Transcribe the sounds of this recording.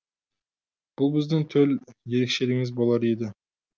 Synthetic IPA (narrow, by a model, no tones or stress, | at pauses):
b̥ʊlˠbɪzd̪ɪŋt̪ʰɵlje̞ɾekʃe̞ɾɪŋɪzbolˠɑɾed̪ɪ